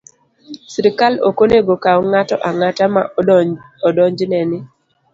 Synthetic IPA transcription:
siɾɪkalo̰koneɡokawɔŋatɔʔaŋatama | ɔdɔɲd͡ʒnɛnɪ

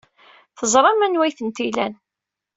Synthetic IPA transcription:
θəzˤɾˤɑmænwæjθənt̪ilæn

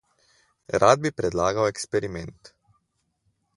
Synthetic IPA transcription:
ɾʔaːd̪̚bipɾɛd̪laːɡawɛkspɛɾimɛnt̪

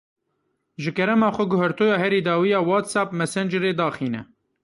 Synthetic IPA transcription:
ʒɨkɛɾɛmɑːxʷɛɡʊhɛɾt̪oːjɑːhɛɾiːd̪ɑːwijɑːwɑːt̪sɑːpmɛsɛnd͡ʒɨɾeːd̪ɑːxiːnɛ̰

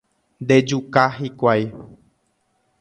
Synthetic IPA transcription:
nd̪e̞d͡ʒukaɦikʷaj

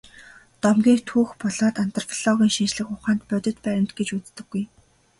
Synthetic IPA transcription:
t̪ɔmɡʲiːkt̪ʰuːxpɔɮɔːt̪an̥t̪ɞ̆rfʰiɮ̥ɔɣʲiːŋʃint͡ɕɮɘ̆kʊχaːnt̪pœt̪ʲɪ̆t̪pæɾʲɪ̆mt̪ɡet͡ɕut͡st̪ɘ̆ɡ̥ːuj

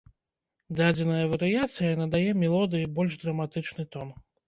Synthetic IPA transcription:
d̪ad͡zʲɪnɐjɐvɐɾɨjat̪sɨjɐnɐd̪ajɛmʲɛlˠɔd̪ɨjibɔlʲʐd̪ɾɐmat̪ɨt͡ʂnɨt̪ɔn

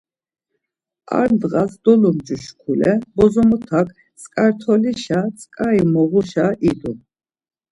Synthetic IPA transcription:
a̰ɾnd̪ʁasd̪ɔlɔmd͡ʒuʃkʰulɛbɔzɔmɔt̪ʰakʰ | t͡sʼkʼaɾt̪ʰɔliʃat͡sʼkʼaimɔʁuʃaʔid̪u

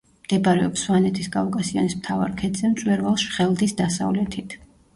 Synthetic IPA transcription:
md̪̥ɛbɾɛɔpswanɛt̪ʰisɡavɡasia̰nismt̪ʰava̰ɾkʰɛt̪z̥ɛmt̪sʼwɛɾvalˠʃχɛlˠd̪isd̪asa̰vlɛt̪ʰit̪ʰ

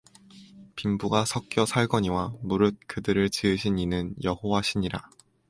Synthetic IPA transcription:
pimbuɡasʰʌk̚k͈jʌsʰaɭɡʌɲiwamuɾɯt̚k͈ɯdɯɾɯɭt͡ɕɯɯɕʰiɲinɯnjʌhowaɕʰiɲiɾa

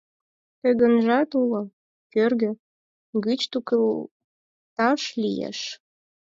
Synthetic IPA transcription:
t̪əɣə̆nʒɑt̪ulŏ | kørɣø̆ | ɡɨt͡ɕt̪uk | t̪ɑʃlijḛʃ

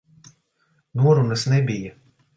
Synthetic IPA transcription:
nuɔɾunɐsnʲɛbʲija

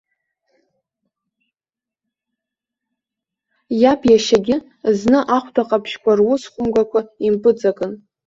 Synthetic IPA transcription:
japʰʼjaʃaɡʲɪ | znɨʔaχʷʰtʰaqʼapʰʃkʷʰarwʊsχʷʊmɡʷakʷʰaimpʼɨt͡sʼakʼɨn

